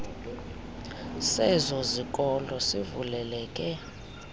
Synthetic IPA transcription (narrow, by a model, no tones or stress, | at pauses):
sɛzɔzik̬ʼɔlɔsivulɛlɛːkʼɛ